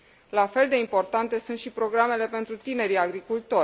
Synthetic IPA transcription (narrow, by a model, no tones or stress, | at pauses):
lafe̞ld̪e̞impo̞rt̪ant̪e̞sunt̪ʃipɾo̞ɡɾame̞le̞pe̞nt̪ɾut̪ine̞ɾiaɡɾikult̪o̞